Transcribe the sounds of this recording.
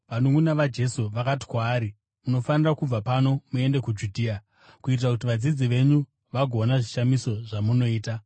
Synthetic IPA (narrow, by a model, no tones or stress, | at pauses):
ʋanuŋɡunaʋad͡ʒe̞suʋakati̥kwaːɾi | muno̞fanirakub͡vapano̞mue̞nde̞kud͡ʒudʱiːa | kuit̬irakut̬iʋad͡zid͡ziʋe̞ɲu | ʋaɡʱo̞naʐiʃamiso̞ʐamuno̞iːta